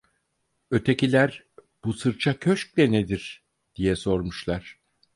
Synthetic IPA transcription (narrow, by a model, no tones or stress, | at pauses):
ø̞t̪ʰecilʲæɾ | b̥usɯɾt͡ʃʰacʰøʃc̚lʲɛned̪iɾ̥ | d̪̥ijɛso̞ɾmuʃlˠaɾ̥